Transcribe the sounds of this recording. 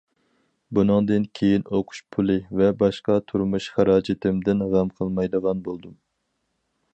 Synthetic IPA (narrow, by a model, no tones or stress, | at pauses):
bunɨŋd̪ɨnkʲʰejinoqʰʊ̥ʃpʰulˠɨvɛbɑʃqɑt̪ʰuɾmuʃχæɾɑːd͡ʒɪt̪ɪmd̪ɪnʁæmqʰəlˠmɑjd̪əʁɑnbolˠd̪um